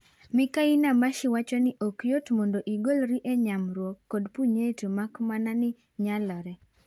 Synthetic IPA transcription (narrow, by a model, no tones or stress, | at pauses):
mɪkainamaʃɪwat͡ʃɔnɪʔɔkjotmondoʔiɡolɾiʔɛɲamɾwɔkːɔdpuɲetomakmananɪ | ɲalɔɾɛ